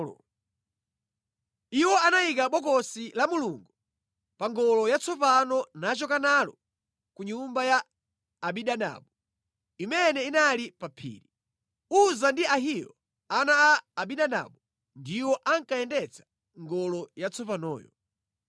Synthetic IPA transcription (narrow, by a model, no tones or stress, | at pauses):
iwɔanajikaɓɔkɔsilamuluŋɡu | paŋɡɔlɔjat͡sɔp̬anɔnat͡ʃɔkanalɔ̰ | kuɲumbajaː | ɓiɗana̰ːɓu | imɛnɛinalipapʰḭːɾi | uzandiaɦijɔ̰ | anaaːɓiɗana̰ɓu | ndiwɔʔaŋkajɛndɛt͡sʰḁ | ŋɡɔlɔjat͡sɔp̬anɔ̰ːjɔ